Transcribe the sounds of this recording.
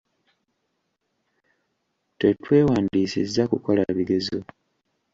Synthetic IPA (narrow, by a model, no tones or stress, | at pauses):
tetwe̞ːwaːndiːsḭziakuko̞la̰βiɡe̞zo